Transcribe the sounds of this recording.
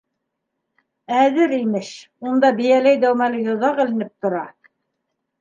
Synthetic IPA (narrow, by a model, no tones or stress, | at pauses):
æðɘɾimɘʃ | und̪ɑbijælæjd̪æwmælɘjŏðɑʁɘ̆lɘ̆nɘp̚t̪ŏɾɑ